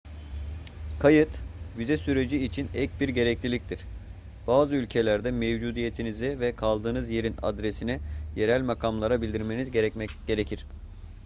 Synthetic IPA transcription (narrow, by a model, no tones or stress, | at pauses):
kʰajɯt̪jyzɛsyɾe̞d͡ʒiːt͡ʃʰinɛc̚biɾɟe̞ɾɛclʲilʲic̚t̪ʰiɾ̥ | b̥aːzɯylʲcʰe̞lʲæɾd̪ɛmevd͡ʒuːd̪ije̞t̪ʰinizɛvɛkʰalˠd̪ɯːnɯzje̞ɾina̰d̪ɾesinɛje̞ɾælʲmakʰamlˠaɾabilʲd̪iɾme̞nizɟeɾɛcmɛcɟ̥e̞ɾecʰiɾ̥